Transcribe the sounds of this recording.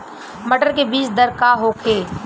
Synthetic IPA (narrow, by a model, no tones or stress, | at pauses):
məʈəɾkebiːt͡ʃd̪ɐɾkaːɦoːkʰeː